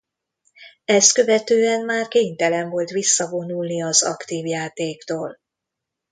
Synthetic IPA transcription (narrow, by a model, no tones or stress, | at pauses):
ɛst̪kø̞vɛt̪øːɛnmaːrkeːɲt̪ɛlɛɱvo̞lt̪ʋisːɒvo̞nulniɒzɒ̰kt̪iːvjaːt̪eːkt̪oːl